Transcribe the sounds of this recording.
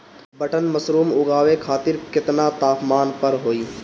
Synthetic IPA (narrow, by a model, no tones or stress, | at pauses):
bəʈənməsɾuːmʊɡaːʋekʰaːt̪ɪɾkɪt̪nat̪aːpmaːnpəɾɦoːiː